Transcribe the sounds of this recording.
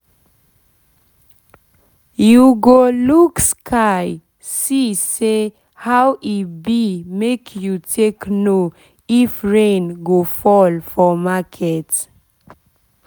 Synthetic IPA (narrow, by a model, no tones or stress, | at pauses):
juɡolukskʰaɪ | sise | hawʔibimekʰjutʰekno | ifɹẽnɡofɔlfɔmakʰɛt